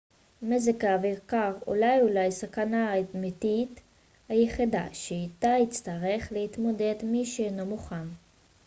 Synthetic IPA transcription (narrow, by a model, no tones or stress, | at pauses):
mezekaaviʁkaʁṵlajulajsakanamit̪it | hajeχida̰ʃeit̪ait͡st̪aʁe̞χlehit̪mo̞de̞d̪miʃeːno̞muχan